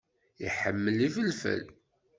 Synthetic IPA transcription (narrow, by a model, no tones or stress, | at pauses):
iħəmːəlifəlfə̰l